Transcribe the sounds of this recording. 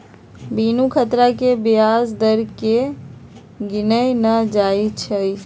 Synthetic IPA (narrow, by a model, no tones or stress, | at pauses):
binukʰət̪ɾakebiazd̪əɾke | ɡinəjnəd͡ʒajt͡ʃʰəj